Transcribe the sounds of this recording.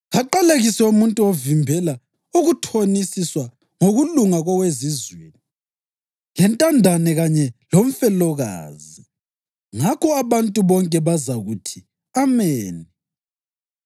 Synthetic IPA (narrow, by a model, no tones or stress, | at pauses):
ɣaǃaleɣisɛumuntʼuovimbʱɛla | uɣutʰonisiswa | ŋoɣuluŋaɣɔwezizweːni | lɛntʼandʱanɛɣaɲɛloɱ̩fɛlɔɣa̰ːzi | ŋakʰɔaβantʼuβɔŋkʼɛβazaɣutʰi | amɛːni